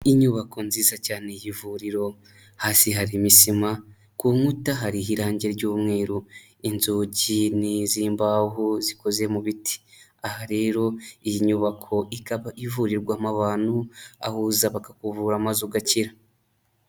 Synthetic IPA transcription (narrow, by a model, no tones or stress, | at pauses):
iɲuβakʰo̞nziːzacaːnejivuɾiɾo̞ | haːsiɦaɾimisima | kuːŋutaɦaɾiɦiɾaːɲɟe̞ɾɟoːmŋe̞ːɾu | inzuːɟiniziːmbaɦuziko̞ze̞muβitʰi̥ahaɾe̞ːɾo̞ijiɲuβakʰo̞ikaβaivuɾiɾɡwaːmaβaːnua̰huzaβakakuvuːɾamazuɡaciɾa